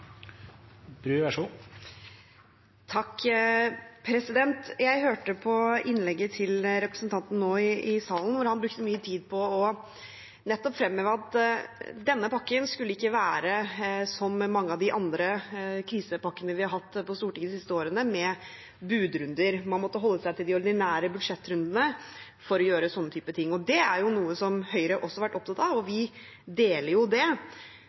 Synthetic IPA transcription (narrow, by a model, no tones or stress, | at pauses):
b̥ɾʉːʋɛʂʊ | t̪ʰɑkː | pʰɾɛsɪd̪ɛnt̪jæɪɦøːʈəpʰɔɪnlɛɡːət̪ʰɪlɾɛpɾə̥sn̩t̪ʰɑnt̪n̩noːɪɪsɑːln̩ʋʊɾhɑnbɾʉk̚t̪əmyːət̪ʰiːd̪̚pʰɔɔ | nɛt̪ːɔpfɾɛmːøːʋəɑt̪ | d̪ɛnːəpɑkːənskʉlːəɪkːəʋæːɾəsɔmːɑŋːəɑʋd̪ɪʔɑnd̪ɾəkʰɾiːsəpɑkːənəʋɪhɑɾɦɑt̪ːpɔst̪uːʈiŋːɡd̪ɪsɪst̪əoːɾənəmɛ | bʉːd̪ɾʉnd̪əɾmɑnmɔt̪ːəɦɔlːəsæɪt̪ɪld̪ɪɔɾd̪ɪnæːɾəbʉd̪ʂɛt̪ːɾʉnd̪ənə | fɔɾɔjøːɾəsɔnːət̪ʰyːpət̪ʰɪŋːɔd̪ɛæɾjʊnuːəsɔmhœʏɾəʔɔsːɔhɑɾʋæʈːɔp̚t̪ʰɑt̪ːɑʋɔʋɪ | d̪eːləɾjʊd̪ɛ